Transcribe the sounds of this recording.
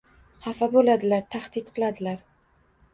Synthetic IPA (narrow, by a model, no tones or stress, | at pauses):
χɑfabolad̪ɪlaɾt̪ʰaχd̪̥ɪt̪̚qʰɨlˠad̪ɪlaɾ